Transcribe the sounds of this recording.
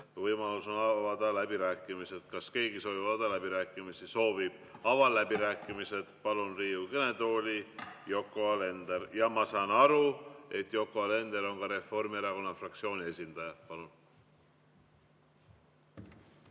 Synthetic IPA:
vɤjmɑluso̞nɑɑvɑd̪̥ɑlæb̥iɾæːkːˑimise̞d̪̥kɑske̞ːɡiso̞ːvibɑd̪ɑlæbiɾæːkːˑimisiso̞ːvib̥̚ɑvɑlæb̥iɾæːkˑːimise̞d̪̥pɑlunriːukene̞d̪o̞ːlʲijo̞kːˑo̞ɑle̞nd̪eɾjɑmɑsɑːnɑɾue̞t̪ːˑjo̞kːˑo̞ɑle̞nd̪eɾo̞nkɑɾe̞fo̞rmieɾɑko̞nːɑfrɑk̚t̪sio̞ːnʲie̞sʲind̪̥ɑjɑpɑlun

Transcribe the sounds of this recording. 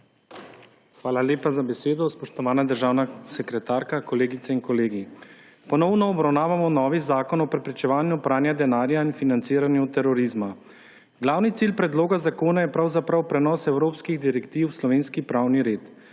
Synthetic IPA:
xʋaːlaljeːpazabɛseːd̪ɔspɔʃt̪ɔʋaːnad̪əɾʒaːwnasɛkɾɛt̪aːɾkakɔleːɡit̪sɛinkɔleːɡi | pɔnɔwnɔːbɾawnaːʋamɔnɔːʋizaːkɔnɔpɾɛpɾɛt͡ʃɛʋaːnjupɾaːnjad̪ɛnaːɾjainfinant̪siːɾanjut̪ɛɾɔɾizma | ɡlaːwnit̪siːlpɾɛd̪loːɡazakoːnajɛpɾawzapɾawpɾɛnɔːsɛwɾoːpskiɣd̪iɾɛkt̪iwslɔʋeːnskipɾaːwniɾeːt̪

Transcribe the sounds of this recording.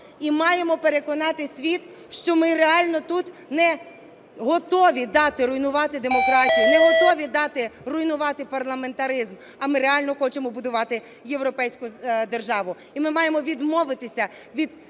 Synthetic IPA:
imɑje̞mɔpe̞ɾe̞kɔnɑt̪ɪsʲʋʲit̪ | ʃt͡ʃɔmɪɾeɑlʲnɔt̪ut̪nɛ | ɦɔt̪ɔʋʲid̪ɑt̪ɪɾʊjnʊʋɑt̪ɪd̪e̞mɔkɾɑtʲijinɛɦɔt̪ɔʋʲid̪ɑt̪ɪrʊjnʊʋɑt̪ɪpɐrlˠɐme̞nt̪ɐɾɪzm | ɐmɪɾeɑlʲnɔxɔt͡ʃemɔbʊd̪ʊʋɑt̪ɪ | jewɾɔpɛjsʲkʊd̪erʒɑʋʊ | imɪmɑjemɔʋʲid̪mɔʋɪt̪ɪsʲɐ | ʋʲid̪

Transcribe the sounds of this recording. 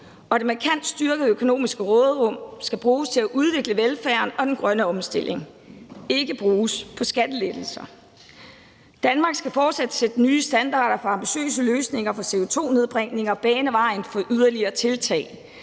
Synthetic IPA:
ɒ̽d̥e̝mɑkʰæn̰d̥sd̥yɐɡ̥ð̩ˠøkʰo̝no̝̰ːmisɡ̥əʁɔ̽ːð̩ˠʁɔ̽m̰sɡ̥æb̥ʁuːst͡sʰe̝læʔuð̞ˠʋe̝ɡ̥ləʋelfæɐnɒ̽d̥enɡ̥ʁɶnəɒ̽msd̥e̝lʔe̝ŋ | e̝ɡ̥əb̥ʁuːspʰɒ̽sɡ̥æd̥əled̥l̩sɐ | d̥ænmɑ̈ːɡ̥sɡ̥æfɒːd̥sæd̥əsed̥ənyːsd̥ænd̥ɑ̰̈ːɾ̥ɐfɒ̽ɑ̈mb̥iɕø̰ːsəløːsne̝ŋ̰ɐfɒ̽se̝̰ːot͡sʰo̝̰ːne̝ðˠb̥ʁeŋ̰ne̝ŋɐɒ̽b̥ɛːnəʋɑ̈ɪ̰nfɒ̽ʔyð̞ˠɐliɐːt͡sʰe̝lt͡sʰɛ̰ːɪ

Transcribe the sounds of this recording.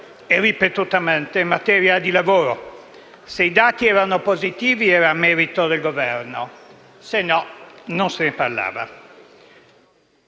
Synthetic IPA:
eripet̪ut̪amɛnt̪eimːat̪ɛːɾjad̪ilavoːɾo | seid̪aːt̪iɛːɾanopozit̪iːviɛːɾamɛːɾit̪od̪elɡovɛɾno | senːɔnonseneparla̰ːva̰

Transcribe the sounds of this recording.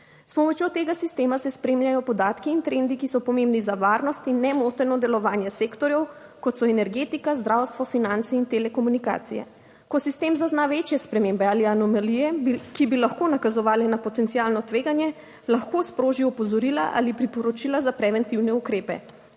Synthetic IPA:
spɔmɔt͡ʃjot̪eːɡasist̪eːmasɛspɾeːmjajɔpɔd̪aːt̪kiːnt̪ɾend̪ikisɔpɔmẽmbnizaʋaːɾnɔst̪inːɛmot̪ɛɾnɔd̪ɛlɔʋaːnjɛseːkt̪ɔɾjɛw | kɔt̪sɔɛnɛɾɡeːt̪ikazd̪ɾawst̪ʋɔfinant̪sɛint̪elɛkɔmunika̰ːt̪sḭjɛ̰ | kɔsist̪eːmzaznaʋet͡ʃjɛspɾɛmembɛaːlianɔmalijɛbikibilaxkoːnakazɔʋaːlɛnapɔt̪ɛnt̪sialnɔt̪ʋeːɡanjɛ | laxkospɾoːʒiɔpɔzɔɾilaʔa̰lipɾipɔɾɔt͡ʃilazapɾɛʋɛnt̪iwnɛukɾeːpɛ̰

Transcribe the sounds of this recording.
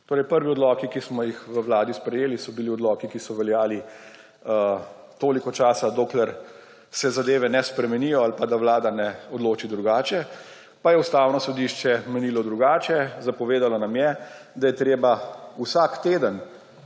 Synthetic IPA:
t̪oːɾɛjpəɾʋiɔd̪lɔːkikismɔjixʋəwlaːd̪ispɾɛjeːlisɔbiliɔd̪lɔːkikisɔʋɛljaːli | t̪oːlikɔt͡ʃaːsad̪oːklɛɾ | sɛzad̪eːʋɛnɛspɾɛmɛnijɔalpad̪awlaːd̪anɛɔd̪loːt͡ʃid̪ɾuɡaːt͡ʃɛ | pajɛust̪aːwnɔsɔd̪iʃt͡ʃɛmɛnilɔd̪ɾuɡaːt͡ʃɛzapɔʋeːd̪alɔnamjɛd̪ajɛt̪ɾeːbausakt̪eːd̪ən

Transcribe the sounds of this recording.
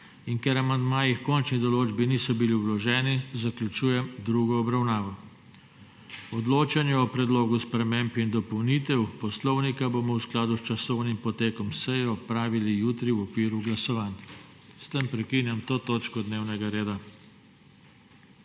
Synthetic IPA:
inkɛɾamand̪maːjixkɔnt͡ʃnid̪ɔloːd͡ʒbinisɔbiliulɔʒɛːnizaklʲut͡ʃuːjɛmd̪ɾuːɡɔɔbɾawnaːʋɔ | ɔd̪loːt͡ʃanjɛɔpɾɛd̪loːɡuspɾɛmempind̪ɔpɔwniːt̪ɛwpɔslɔwnikaboːmɔwsklaːd̪ust͡ʃasɔwnimpɔt̪eːkɔmsɛjɛɔpɾaːʋilijuːt̪ɾiwɔkʋiːɾuɡlasɔʋan | st̪empɾɛkinjamt̪oːt̪oːt͡ʃkɔd̪neːwnɛɡaɾeːd̪a

